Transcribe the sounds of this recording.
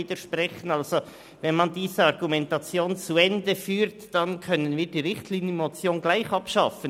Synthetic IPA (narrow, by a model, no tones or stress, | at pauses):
iːd̥əʃpʁɛçən̩ɑlzo | vɛnmɑndiːzəɑɾɡumɛntɑt͡sjoːnt͡suɛndəfyːɾtd̥ɑnkʰœnənviːdiːɾɪχtʰliːnjəmot͡sjoːnɡlaɪxɑpʃɑfən